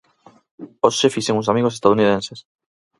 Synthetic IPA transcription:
osʃefiseŋũsamiɣoest̪að̞uniðẽnses

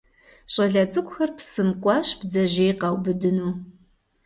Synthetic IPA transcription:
ɕʼɐɮɐt͡sʼɨkʷʼxɐrpsɨmkʷʼɑːɕbd͡zɐʒeːjqɐwbɨdɨnuː

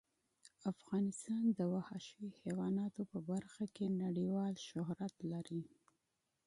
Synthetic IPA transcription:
afɣɑnɪst̪ɑnd̪əwahɑʃəwihewɑnɑt̪opəbaɾxakenaɽiwɑlʃʊɦɾat̪laɾi

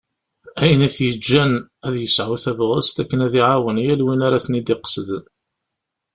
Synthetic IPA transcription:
æjənæθjəd͡ʒːænæðjəsʕuθævʁəst̪ækːənæðiʕawənjælwinaɾæθnid̪iqsəð

